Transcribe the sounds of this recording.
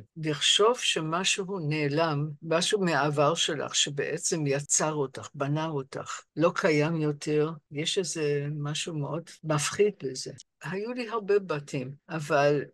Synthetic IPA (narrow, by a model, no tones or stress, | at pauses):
liχʃo̞vʃemaʃuɦuneːlamːaʃumeaavaʁʃe̞la̰χʃebeʔet͡se̞mjat͡saʁotaχbanaota̰χlo̞kʰajamjo̞tʰeʁjeʃezemaʃumeʔo̞dmafχid̚beze̞ | hajuliɦaʁbebatʰimʔaval